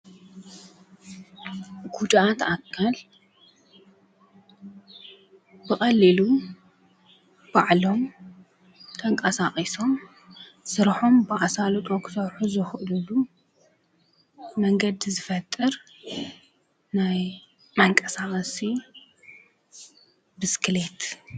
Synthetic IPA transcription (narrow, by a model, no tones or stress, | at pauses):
ɡ̥ud̪ʔat̪akʰːal | bɨxʼɐlːilu | b̥aʕlo̞m | t̪ʰɐŋkʼɐsaxʼiso̞m | sɨɾħo̞mbɨʔasalot̪ʼokʰɨ̥sɐβħuzɨxʔlulu | mɐŋɡɐd̪zɨfɐt̪ʼːɨɾ | naj | maŋkʼɐsaχʼɐsi | bɨskʰɨle̞t̪